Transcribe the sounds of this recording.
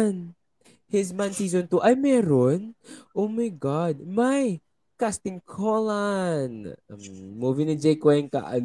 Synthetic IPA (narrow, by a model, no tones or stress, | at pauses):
n | hɪsmansiːzont̪uʔɐjmɛːɾonʔowmajɡɑd̪̚maj | kast̪ɪŋkʰolanmmuːvinɪd͡ʒɛjkwɛŋka̰ʔɐ̰l